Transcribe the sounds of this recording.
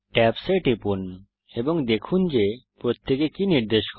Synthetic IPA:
ʈɛpseʈipun | eboŋd̪ekʰund͡ʑepɾot̪ʰːekekiniɾd̪eʃk

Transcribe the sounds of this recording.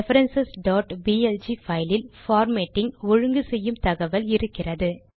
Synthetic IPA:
ɛfɐɾɐnsɐsɖoːʈbiːɛld͡ʒifɐɪlɪlfaːɾmeːʈːɪŋɔɻɯŋɡɯsɛjːɯmt̪ɐɣɐʋɐlɪɾɯkːɪrɐðɯ

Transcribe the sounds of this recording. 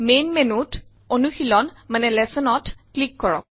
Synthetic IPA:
menmenut | onuxilɔnmanɛlɛsɔnɔtklikːɔɹɔ̰k̚

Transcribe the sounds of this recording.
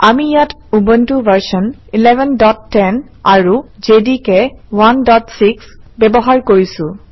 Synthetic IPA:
amijatubɔntuvəɹsɔnilɛvɛndɔtːɛn | aɹud͡ʒedikɛwandɔtsiksbɛbɔɦaɹkoɹisʊ̃

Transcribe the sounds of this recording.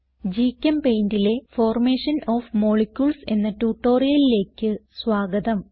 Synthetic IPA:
d͡ʑikʲːɐmpejndile̞fo̞ːrme̞ːʂɐnoːfmo̞ɭekʲjuɭse̞̰nːɐtuːʈːo̞ːrijɐlile̞ːkʲːɨswaːɡɐðɐm

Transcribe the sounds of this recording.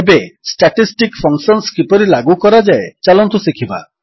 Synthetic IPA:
ebesʈaʈisʈikpʰɔŋksɔnskipɔɾilaɡukɔɾad͡ʒaet͡ʃalɔnt̪usikʰiba̰

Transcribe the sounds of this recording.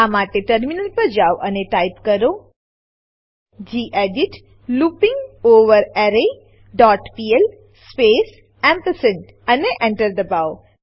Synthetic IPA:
amaʈeʈəɾminəlpəd͡ʒawʔɐneʈajpkəɾo | d͡ʑiːʔeɖiʈ | luːpɪ̃ŋɡoːʋəɾɛɾe | ɖɔːʈpiel | speːs | ɛ̃mpəsə̃ɳʈ | ɐneʔɛ̃ɳʈəɾd̪əbaw

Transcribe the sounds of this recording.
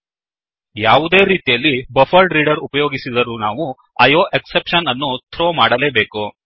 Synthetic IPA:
jaːʋud̪e̞ːɾiːt̪ijɐlːibɐfʰɐlɖɾiːɖɐɾupɐjoːɡisid̪ɐɾuːnaːʋu | ɐjoːʔeksepʂɐnɐnːut̪ʰɾoːmaːɽɐle̞ːbe̞ːku

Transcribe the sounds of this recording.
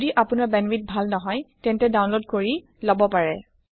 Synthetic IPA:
diʔapʊnaɹbɛnwit̚bʱalnɔɦɔjtɛntɛdawnlod̚koɹi | lɔbɔpaɹɛ

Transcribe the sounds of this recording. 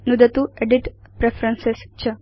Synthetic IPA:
nud̪ət̪ueɖiʈpɾefɾənsest͡ɕə

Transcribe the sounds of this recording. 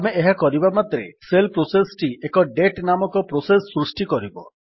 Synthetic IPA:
ameːɦakɔɾibamat̪ɾḛselpɾosesʈiʔekɔɖeʈnamɔkɔpɾosesːɾusʈikɔɾibɔ̰

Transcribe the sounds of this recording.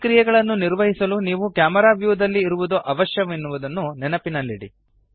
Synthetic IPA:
kɾijɛɡɐɭɐnːuniɾʋɐɦisɐluniːʋukjaːmɐɾaːʋjuːd̪ɐlːiːɾuʋud̪oʔɐʋɐʃjɐʋinːuʋud̪ɐnːunɛnɐpinɐlːiɽḭ

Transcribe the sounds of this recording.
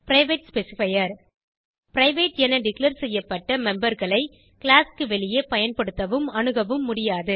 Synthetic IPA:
pɾɐɪʋeːʈspɛsɪfɐjɐɾ | pɾɐɪʋeːʈɛnɐɖɪklɐɾsɛjːɐpːɐʈːɐmɛmbɐɾɣɐɭɐɪ | kɪɭaːskɯʋɛɭɪjeːpɐjɐnpɐɽɯt̪ːɐʋɯmɐɳɯɣɐʋɯmːʊɽɪjaːðɯ

